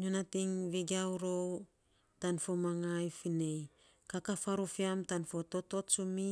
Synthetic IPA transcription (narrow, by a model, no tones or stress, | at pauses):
ɲonatiŋβiɡawɾow | tanfomaŋajfinej | kakafaɾufiamtanfo̞to̞to̞tsumi